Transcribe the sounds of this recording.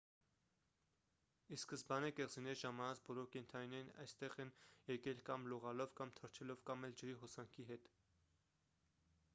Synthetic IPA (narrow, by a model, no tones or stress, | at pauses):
iskəsbɑnɛkɛʁzinɛɾʒɑmɑnɑt͡sbɔlɔɾkɛnt̪ʰɑninɛɾnɑ̰jst̪ɛʁɛnjɛkɛlkɑmluʁɑlɔvkɑmt̪ʰəɾt͡ʃʰɛlɔvkɑmɛld͡ʒəɾiɦɔsɑŋkʰiɦɛt̪